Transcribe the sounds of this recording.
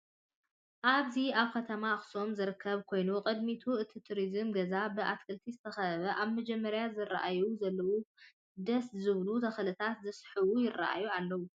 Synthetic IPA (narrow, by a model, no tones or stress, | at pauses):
ʔaβziaβkʰɐt̪ʰɐmaxso̞mzɨɾɨkʰːɐβkʰo̞jnuqʼɨd̪mit̪ʰuɨt̪ʰit̪ʰuɾizɨmɡɐzabɨʔat̪kʰɨlt̪ʰizɨt̪ʰɐxɐβɐʔaβmɐd͡ʒɛmːɐɾjazɨra̰ʔajuzɐlːɐwu | d̪ɐszɨβlut̪ʰɐxlɨt̪ʰat̪zɨsħɨwujɪrːa̰ʔa̰jualːɐwu